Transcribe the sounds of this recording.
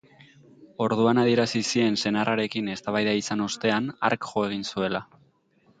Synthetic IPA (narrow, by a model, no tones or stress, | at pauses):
o̞ɾðuanaðie̞ɾasisie̞nse̞naraɾe̞kine̞st̪aβajðaisano̞st̪e̞ana̰ɾkʝo̞e̞ɣ̞insue̞la